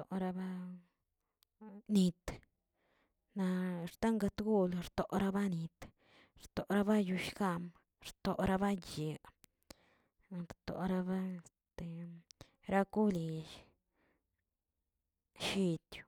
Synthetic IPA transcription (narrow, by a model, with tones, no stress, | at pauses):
o˨ɾa˧ba˦ | ni˧t̪ | na˧ɾt̪a˦ŋɡa˧t̪ɡu˦lɾt̪o˨ɾa˦ba˦ni˧t̪ | ɾt̪o˨ɾa˦ba˦ju˧ʃɡa˧m | ɾt̪o˨ɾa˦ba˦je˨ | ɾt̪o̰˨ɾa˧ba˦˧st̪e˨ | ɾa˦ku˦li˧ʃ | ʃi˧t̪ju̥˧